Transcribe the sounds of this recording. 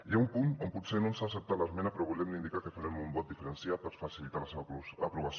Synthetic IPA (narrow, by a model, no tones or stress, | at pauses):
iaumpunomput̪senonsaːsəp̚t̪alaezmɛnapeɾɔβulɛmnind̪ikakefaɾemumbɔt̪̚d̪ifəɾensiapəɾsfasilit̪alaseβapɾuβas